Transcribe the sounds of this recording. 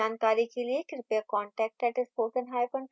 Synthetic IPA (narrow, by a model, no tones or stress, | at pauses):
aːnkaːɾikeliekɾɪpekɔːɳʈɛːk̚ʈɛːʈɪspʰoːsənɦaːepən